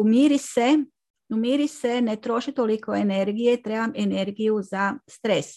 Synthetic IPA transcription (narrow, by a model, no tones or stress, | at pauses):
umiːɾise | umiːɾisenet̪ɾo̞ʃit̪olikoene̞ɾɡijet̪ɾeːbamene̞ɾɡijuzast̪ɾes